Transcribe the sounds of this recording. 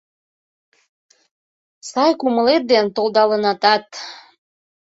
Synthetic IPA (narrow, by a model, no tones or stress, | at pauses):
sɑjkuməlet̪̚d̪ent̪old̪ɑlənɑt̪ɑt̪